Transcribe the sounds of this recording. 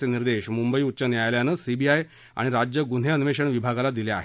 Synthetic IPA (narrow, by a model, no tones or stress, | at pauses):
eniɾd̪eɕmumbəiːut̪̚ːt͡ɕənjajljanəsibiaj | a̰ɽ̃iɾad͡ʑjəɡun̤eənʋeɕəɳʋibʱaɡalad̪ilea̰ɦe